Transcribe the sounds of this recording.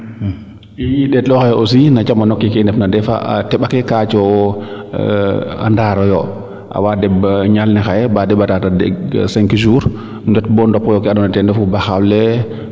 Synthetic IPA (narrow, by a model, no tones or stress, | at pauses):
ijiɗɛɗɔxajɛʔɔsinat͡ʃamanɔkːikɛndɛfnadɛfa̰ʔa̰tɛɓakɛkat͡ʃɔ | a̰ndaɾɔjɔ | ʔa̰wadɛbɲalnɛxajɛbadɛbːatatadɛsɛŋkid͡ʒuːɾ | d͡ʒɛtbɔndɔpːɔjɔkɛaɗɔnatɛndɛfubaxawlɛ